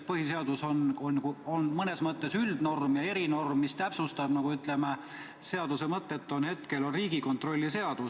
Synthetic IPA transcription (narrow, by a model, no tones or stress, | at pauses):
pɤɦise̞ɑd̪̥uso̞nonːkuonmɤne̞smɤt̪ˑːe̞syld̪̥no̞rmjɑe̞ɾino̞rmːist̪æpsust̪ɑb̥nɑɡ̥uyt̪ːˑleme | se̞ɑd̪̥use̞mɤt̪ːˑe̞t̪ːˑo̞nhe̞t̪ke̞lo̞nriːɡ̥iko̞nt̪ro̞lʲːise̞ɑd̪̥us